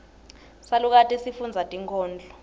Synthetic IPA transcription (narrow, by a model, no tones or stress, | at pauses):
saluk̬atʼisifund͡zʱatʼiŋkʰʼɔːnd͡ɮʱɔ